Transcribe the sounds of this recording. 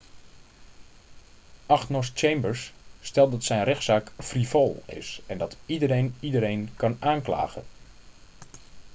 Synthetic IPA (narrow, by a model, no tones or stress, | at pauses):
ʔaxnɔst͡ʃejmbəɹsːtɛlˠdɔtsɛjnrɛxtsaːkfrifɔlˠɪ̰sɛndɑtidəɾejnidəɾejnkɑnaːnkla̰ːɣən